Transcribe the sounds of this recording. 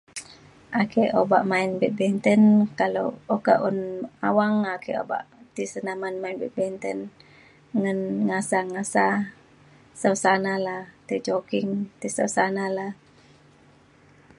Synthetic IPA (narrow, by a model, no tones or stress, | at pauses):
ʔakeʔoba̰ʔmainbɛt̪̚bɛnt̪ənkalo̰oka̰ʔuna̰waŋakeʔo̰ba̰ʔt̪isənamanmainbɛt̪̚bɛnt̪ən | ŋənŋasaŋasa | sawsanalaht̪it͡ʃokiŋt̪isawsanalah